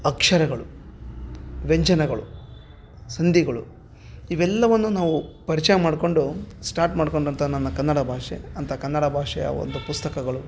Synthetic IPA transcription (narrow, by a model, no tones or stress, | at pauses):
ɐkʂɐɾɐɡɐɭu | ʋeɲt͡ʃɐnɐɡɐɭṵ | sɐnd̪iɡɐɭṵ | iʋɛlːɐʋɐnːunaːʋupɐɾit͡ʃɐjɐmaːɽko̞ɳɖusʈaːɾʈmaːɖkoɳɖɐnt̪ʰɐnɐnːɐkɐnːɐɽɐbʱaːʂḛɐnt̪ʰɐkɐnːɐɽɐbʱaːʂɛjɐ̰ʋo̰nd̪upust̪ɐkɐɡɐɭu